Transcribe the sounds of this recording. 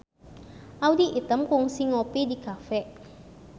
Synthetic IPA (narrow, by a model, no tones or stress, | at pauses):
awd̪iʔit̪əmkuŋsiŋɔpid̪ikafɛʔ